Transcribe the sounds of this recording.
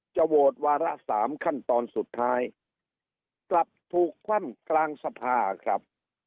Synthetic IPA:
t͡ɕa˨˩woː˨˩t̪̚waː˧ɾa˦˥saː˩˦mkʰa˥˩nt̪ɔː˧nsu˨˩t̪ʰːaː˦˥j | kla˨˩p̚t̪ʰuː˨˩kʰːwa˥˩mklaː˧ŋsa˧pʰaː˧kʰɾa˦˥p̚

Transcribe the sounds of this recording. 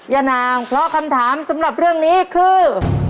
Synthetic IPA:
ja˧naː˧ŋpʰɾɔ˦˥kʰa˧mt̪ʰaː˩˦msa˩˦mɾa˨˩p̚ɾɯ˥˩əŋniː˦˥kʰɯː˧˩

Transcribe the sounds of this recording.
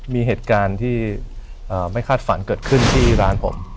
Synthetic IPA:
miː˧ɦeː˨˩t̪̚kaː˧nt̪ʰiː˥˩ | ʔəː˨˩ma˥˩jkʰaː˥˩t̪̚fa˩˦nkɤː˨˩t̪̚kʰɯ˥˩nt̪ʰiː˥˩ɾaː˧npʰo˩˦m

